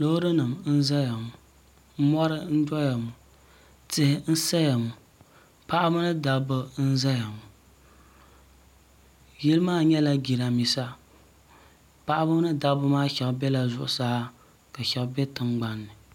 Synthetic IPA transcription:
lo˦hɾɨ˦nɨ˨mn̩˦za˦ja˨mu˨ | m̩˦mɔ˦ɾɨ˦n̩˦d͡ʒɔ˦ja˨mu˨ | tɪ˦hɪ˦n̩˦sa˦ja˨mu˨ | pa˦ʔa˦bɨ˦nɨ˦da˨bɨ˦n̩˦za˦ja˨mu˨ | jɛ˦lmaː˦ɲɛ˦la˦ɡi˨ɾa˨mi˨sa˦ | pa˦ʔa˦bɨ˦m˦nɨ˦da˦bɨ˦maː˦ʃɛ˨lbɛ˦la˨zʊ˦ʔʊ˨sa˦ha˦ | ka˨ʃɛ˨lbɛ˦tɨ˨ŋɡ͡ba˦nːɨ˨

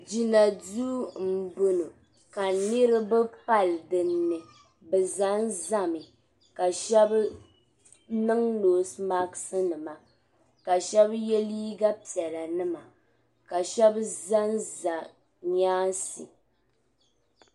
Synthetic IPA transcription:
d͡ʒi˨na˨du˦m̩˦˨bu˦nɨ˨ | ka˨nɨ˦ɾɨ˦bɛ˦pa˦ldɨ˨nːɨ˨ | bɛ˨za˨˦n˦za˦mɨ˨ | ka˨ʃɛ˦b | nɨ˦ŋloː˨sma˦ksɨ˦nɨ˨ma˨ | ka˨ʃɛ˦bjɛ˦liː˦ɡa˦pi˨ɛ˨la˨nɨ˦ma˨ | ka˨ʃɛ˦bza˦n˦za˨ | ɲaː˦sḭ˨

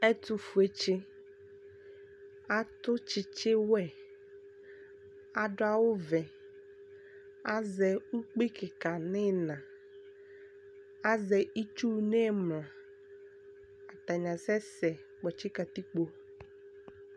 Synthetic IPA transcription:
ɛ˦tʊ˨fu˨e˨t͡ʃɪ˦ | a˦tʊ˦t͡ʃɪ˨t͡ʃɪ˦wɛ˦ | a˨dʊ˦a˦wʊ˦vɛ˨ | a˦zɛ˨u˦k͡pi˦kʰɪ˨ka˨nɪ˦nã˨ | a˦zɛ˨i˦t͡ʃu˦ne˦mla˨ | a˨ta˨ɲã˨sɛ˦sɛ˨ | k͡pɔ˨t͡ʃɪ˦ka˨t̪i˦k͡po˨

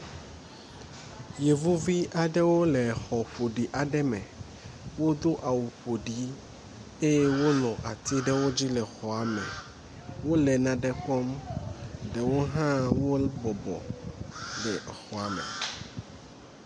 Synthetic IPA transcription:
je˨vu˦vi˦ʔa˨ɖɛ˦wo˦lɛ˨xɔ˨ɸo˨ɖi˨ʔa˨ɖɛ˦mɛ̃˨ | wo˦d̪o˦ʔa˨wu˨ɸo˨ɖi˨ | e˦je˦wo˦nɔ̃˨ʔa˨t̪i˦ɖɛ˦wo˦d͡ʑi˦lɛ˨xɔ˨a˨mɛ̃˨ | wo˦lɛ˨nã˨ɖɛ˦k͡pɔ˦m | ɖɛ˨wo˦ɦã˦wo˦bɔ˨bɔ̰˨ | lɛ˨xɔ˨a˨mɛ̰˨

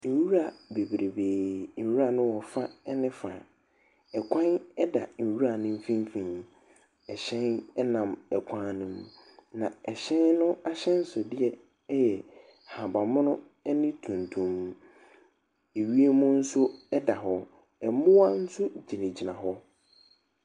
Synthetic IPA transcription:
n̩˨wu˦ɾa˨be˨bɾʔe˨beː˨n̩˨wu˦ɾa˨nʊ̃˦wɔ˨fa˦ɛ˦nɪ̃˦fa˨ | ɛ˨kʷʰã˦nɛ˦da˨n̩˨wu˦ɾa˨nʊ̃˦m̩˦fĩ˦m˦fĩ˨n | ɛ˨ɕɛ̃˦nɛ˦nã˨mɛ˨kʷʰã˦˨nʊ̃˦m | nã˨ɛ˨ɕɛ̃˦nnʊ̃˦a˦ɕɛ̃˦n̩˦sʊ˨dɪ˦ɛ˦ | jɛ˨ | ha˨ba˨mʊ̃˦nʊ̃˦ | ɛ˦nɪ̃˦tʰũ˨ntʰũ˨m | e˨ɥi˦e˦mʊ̃˦n̩˦sʊ˦ɛ˦da˨ɦɔ˦ | ɛ˨mʊ̃˦wa˦n̩˦sʊ˦d͡ʑi˨nɪ̃˨d͡ʑi˨nã˨ɦɔ˦

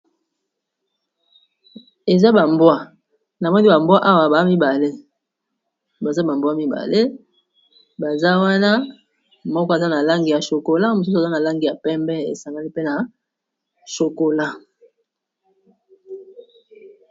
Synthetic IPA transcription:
e˨za˦ba˨mbwa˦ | na˨mɔ˦ni˦ba˨mbwa˦ʔa˦wa˨ba˨˦mi˦ba˨le˦ | ba˨za˦ba˨mbwa˦mi˦ba̰˨le˦ | ba˨za˦wa˦na˦ | mɔ˦kɔ˦e˨za˦na˨la˦ŋɡi˨ja˨ʃo˨ko˨la˦mo˨s̬u˦s̬a˨za˦na˨la˦ŋɡi˨ja˨pɛ˦mbɛ˦ḛ˨sa˨ŋɡa˦li˦pe˦na˨ | ʃo˨ko˨la˦

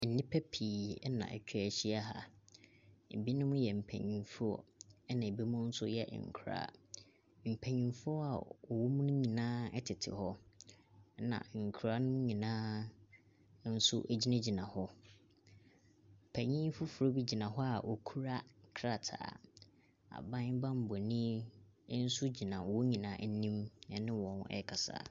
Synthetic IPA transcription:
n̩˨nĩ˦pʰɛ˦pʰiː˨ɛ˦nã̰˨ʔɛ̰˨t͡ɕʰᶣæ˨ɕi˦a˦ɦa̰˨ | e˨bi˦nʊ̃˦mʊ̃˦jɛ˨m̩˨pʰæ̰˨ɲĩ˨nfu˦ɔ̰˦ɛ˦nã˨e˨bi˦mʊ̃˦n̩˦sʊ˦jɛ̰˦˨ŋ̩̰˨kʰu˨ɾa̰ː˦˨ | m̩˨pʰæ̃˨ɲĩ˨n˦fu˦ɔ˦a̰˨ɔ˨wɔ˦mũ˦nʊ̃˦ɲĩ˨nãː˦ɛ˦tʰɪ˨tʰɪ̰˨hɔ˦ | nã̰˨ŋ̩˨kʰu˨ɾa˦nʊ̃˦m̃˦ɲĩ˨nãː˦ | n̩˦sʊ̰˦ʔæ˨d͡ʑi˦nã˦d͡ʑi˨nã˨hɔ˦ | m̩˨pʰɛ˨ɲĩ˦fʊ˦fu˨ɾo˦bi˦d͡ʑi˨nã˨ɦɔ˦a˨ʔɔ˨kʰu˦ɾa˦kʰɾa˨tʰa̰ː˨ | a̰˨bã˦nbã˦m̩˨bɔ˨nĩ˦ | n̩˦sʊ˦d͡ʑi˨nã˨wɔ˦ɲĩ˨nã̰ː˨˦n̩˦nĩ˦mnɛ˨nɪ̃˦wɔ̃˨nɛ̰˦kʰa˨sa̰ː˦˨

